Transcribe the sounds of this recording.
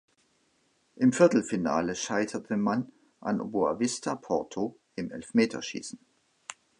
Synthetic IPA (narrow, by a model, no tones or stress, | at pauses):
ʔɪmfɪɐtl̩fina̰ːləʃaɪtʰɐtʰəman | ʔa̰nʔo̰bua̰vɪstʰapʰɔɐtʰo | ʔɪmʔɛlfmeːtʰɐ̰ʃḭːsn̩